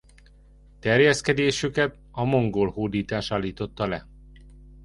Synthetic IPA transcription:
t̪ɛrjɛskɛd̪eːʃykɛt̪ | ɒmo̞ŋɡoːlhoːd̪iːt̪aːʃaːlːiːt̪o̞t̪ːɒlɛ

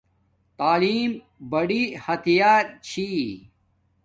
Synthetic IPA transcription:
t̪aːliːm | bɐɽihɐt̪ijaːɾt͡ɕʰi

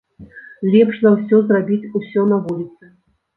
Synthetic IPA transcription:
lʲɛpʂzɐwsʲɔzrabʲit͡sʲusʲɔnɐvulʲit̪sɨ

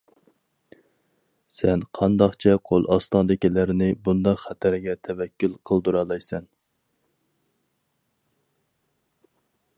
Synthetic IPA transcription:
sɛnqʰɑnd̪ɑχt͡ʃʰɛqʰolˠʔɑst̪ɑnd̪ɪkʲilæɾɪnɪbund̪ɑqχæt̪ʰæɾɡʲɛt̪ʰɛvɛkʲːylˠqʰəlˠd̪uɾɑlˠɑjsɛn

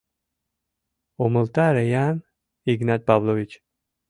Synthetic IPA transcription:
omulˠt̪aɾejan | iɡnat̪̚bablˠovit͡ʃ

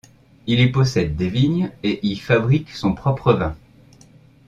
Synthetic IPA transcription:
ilɥipɔsɛd̪ːeviɲeʔilfabʁiksɔ̃pχɔpχəvɛ̃

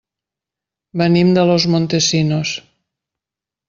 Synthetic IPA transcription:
bənimd̪əlozmont̪esinos

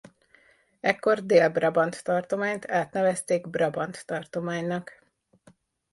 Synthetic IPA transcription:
ɛkːo̞rd̪eːlbrɒbɒnt̪ːɒrt̪o̞maːɲt̪ʰaːt̪nɛvɛst̪eːɡbrɒbɒnt̪ːɒrt̪o̞maːɲnɒk

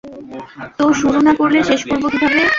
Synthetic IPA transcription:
t̪oʃuɾonakoɾleʃeʃkoɾbot̪id̪ʱabe

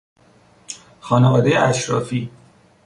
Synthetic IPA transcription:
xɒːnevɒːd̪ejeæʃɾɒːfiː

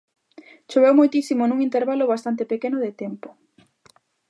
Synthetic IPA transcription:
t͡ʃoβ̞ewmojt̪isimonũŋint̪eɾβaloβast̪ant̪epekenʊðet̪ɛmpʊ̥

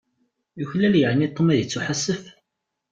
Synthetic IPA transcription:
juçlæljəʕnit̪ˤːəmæðət͡sːuħasːəf

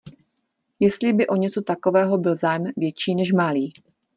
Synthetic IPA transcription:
jɛst̪lɪbɪʔo̞ɲɛt͡so̞t̪ako̞vɛːɦo̞bɪlzaːjɛmvjɛt͡ʃiːnɛʃmaliː

